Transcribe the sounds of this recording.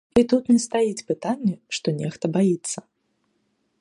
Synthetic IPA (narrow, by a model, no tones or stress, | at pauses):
it̪ut̪nʲɛst̪ajit͡sʲpɨt̪anʲːɛʂt̪ɔnʲɛxt̪ɐbajit̪sːɐ